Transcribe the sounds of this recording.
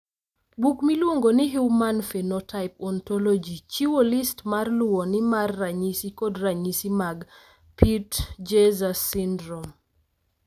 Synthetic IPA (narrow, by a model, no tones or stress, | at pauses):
bukmilwoŋɡonɪɦuwmanfenɔtʰaɪpɔntɔlɔd͡ʒit͡ʃiwolistmarlʊwɔnɪmarːaɲisikɔdraɲisimaɡ | pitd͡ʒezasindɾɔm